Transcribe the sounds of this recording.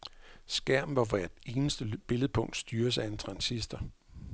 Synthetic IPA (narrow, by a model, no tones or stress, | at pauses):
sɡ̥æɐ̰mn̩ʋɑ̈ʋæɐ̰d̥e̝ːnəsd̥əb̥e̝ləð̞̩ˠpʰɔ̽ŋ̰d̥sd̥yːɐs̬əæe̝nt͡sʰʁɑ̈nsisd̥ɐ